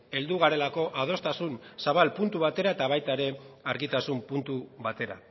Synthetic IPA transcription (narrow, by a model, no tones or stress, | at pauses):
e̞ld̪uɣ̞aɾe̞lako̞ʔað̞o̞st̪asunsaβalpunt̪uβat̪e̞ɾaet̪aβ̞ajt̪aeɾe̞aɾɣit̪asumpunt̪uβat̪e̞ɾa̰